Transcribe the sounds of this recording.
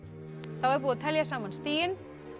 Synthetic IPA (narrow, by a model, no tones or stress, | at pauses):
θawɛɾp̬uaðt̪ʰɛljasaːmanst̪iːjɪn